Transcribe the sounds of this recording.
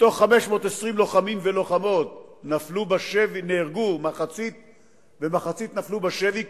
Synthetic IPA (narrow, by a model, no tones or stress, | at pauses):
t̪o̞χːameʃmo̞ːt̪esʁimlo̞χamimvelo̞χamo̞t̪naflubaʃevineːʁɡumaχat͡sit̪̚ | vemaχat͡sit̪naflubaʃevi